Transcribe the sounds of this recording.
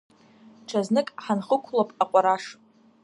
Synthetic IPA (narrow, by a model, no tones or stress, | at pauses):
ʈ͡ʂʰaznɨkʼħanχəkʷʰlapʼaqʷʼaɾaʂ